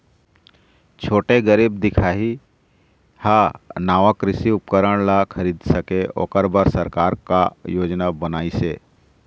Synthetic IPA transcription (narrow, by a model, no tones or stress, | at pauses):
t͡ʃʰoːʈeɡəɾiːb̚d̪ɪkʰaːɦi | hanaːʋakɾɪsiʊp̚kəɾəɽ̃lakʰɐɾiːd̪sɐkeʔo̰ːkəɾbaɾsəɾkaːɾkajoːd͡ʒnabənaːiseː